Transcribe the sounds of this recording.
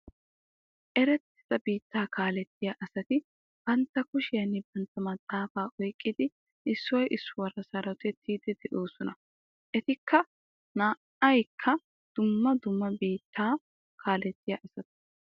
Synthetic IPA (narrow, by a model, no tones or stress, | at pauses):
ʔɛɾɛt̪ːɪ̥z̥ɐbiːt̪ːaːkʰaːlɛt̪ːɪjaʔɐsɐt̪ɪ | b̥ɐnt̪ːɐkʊʃɪjɐnɪbɐnt̪ːɐmɐd̪ʼaːfaːʔɔjkʼːɪd̪ɪ | ʔɪsːʊwɔjʔɪsːʊwɐɾɐsɐɾɐt̪ɛt̪ʰːiːd̪ɛd̪ɛʔoːsɔnɐ | ʔɛt̪ɪkʰːɐ | naːʔɐjkʰːɐ | d̪̥ʊmːɐd̪ʊmːɐbiːt̪ʰːaː | kʰaːlɛt̪ːɪjaʔɐsɐt̪ɪ̥